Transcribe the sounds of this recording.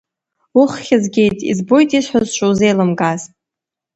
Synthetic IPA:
ʊχχʲazɡʲe̞jtʼḭzbo̞jtʼiʂħazt͡ʃʷʰʼowze̞jlɨmɡʼaz̥

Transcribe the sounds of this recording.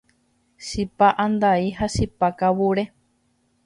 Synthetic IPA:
ʃipaʔand̪aiɦaʃipakawuɾe

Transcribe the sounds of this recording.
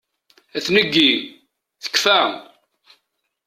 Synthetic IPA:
æθnəɡːi | θə̥kːfæ

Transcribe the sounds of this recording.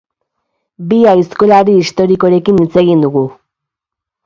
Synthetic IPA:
biajsko̞laɾiːst̪o̞ɾiko̞ɾe̞kinit͡se̞ɣind̪uɣu

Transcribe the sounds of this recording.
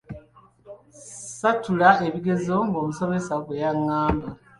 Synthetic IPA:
satulae̞βiɡe̞zo̞ŋɡo̞ːmuso̞me̞saɡwejaŋːaːmba

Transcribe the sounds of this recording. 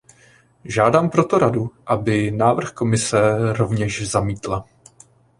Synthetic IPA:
ʒaːdaːmpɾo̞t̪o̞ɾaduʔabɪnaːvr̩xko̞mɪsɛɾo̞vɲɛʃzamiːt̪la

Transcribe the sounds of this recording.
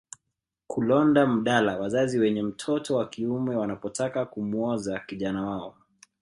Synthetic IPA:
kulɔndam̩ɗalawazaziwɛɲɛm̩tʰɔtɔwakiumɛwanapɔtʰakakumuɔzakiʄanawaɔ

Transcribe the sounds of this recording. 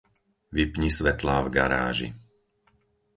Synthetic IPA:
ʋipɲisʋɛt̪laːvɡaɾa̰ːʒḭ

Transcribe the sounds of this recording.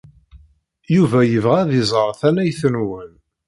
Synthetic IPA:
juvæjəvʁæðizˤɾˤθænæjθənwən

